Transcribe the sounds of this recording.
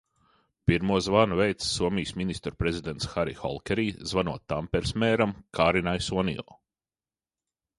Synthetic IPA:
piɾmuɔzvaːnuvɛjt̪ssuɔmiːsminist̪ɾpɾezʲid̪ent̪sxaɾḭxɔ̰lˠkʲɛɾiːzvanṵɔtt̪ːampɛɾsmɛːɾamkʰaːɾinajsuɔnḭjɔ̰ː

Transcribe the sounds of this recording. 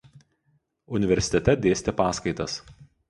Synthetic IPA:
ʊnʲɪʋʲɛɾʲsʲɪ̥t̪ʲɛt̪ʲɛd̪ʲeːsʲt̪ʲepɑːskɐɪt̪ɐs

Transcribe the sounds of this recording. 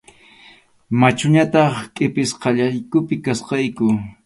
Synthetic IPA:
mat͡ʃʊɲat̪ɑχkʼɪpɪsqɑʎajkʊpɪkasqɑjkʊ

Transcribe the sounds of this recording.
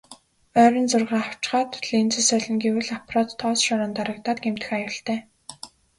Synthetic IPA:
œːɾʲɞ̆nt͡sʊrʁaːaw̥t͡ɕχaːt̪ɮint͡sɘ̆sœɮɞ̆ŋɡewɘ̆ɮaprɔːt̪ʰːɔːsʃɔɾɔ̆ːnt̪aɾə̆k̚t̪aːt̪ɡem̥t̪ɘ̆xajʊ̆ɬt̪æː

